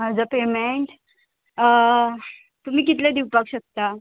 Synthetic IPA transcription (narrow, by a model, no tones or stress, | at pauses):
ɦad͡zəpemeɳʈ | t̪um̤iːkit̪led̪iwpakɕək̚t̪a